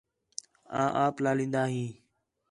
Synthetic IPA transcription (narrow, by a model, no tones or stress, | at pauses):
ã̰ːʔaːplaːlĩːnd̪aːɦĩː